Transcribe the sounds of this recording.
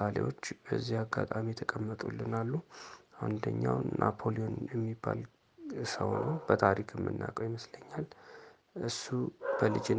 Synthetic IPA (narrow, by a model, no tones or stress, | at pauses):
alḛwo̞t͡ʃːbəzːihaɡːa̰t̪ʼamit̪ʰəkʼəmːət̪ʼulːɨnalːuʔand̪əɲːawnʔapʰo̞lio̞njɛmːibːal | ɨsəwnəwb̥ət̪ʰaɾikʰmːɨ̰nːa̰kʼəwjiməsləɲːal | ʔɨsːub̥əlɨd͡ʒ